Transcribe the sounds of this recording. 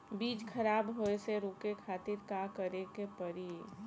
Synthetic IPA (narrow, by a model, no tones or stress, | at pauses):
biːt͡ʃkʰəɾaːbɦoeseɾoːkekʰaːt̪ɪɾkakəɾekepəɾi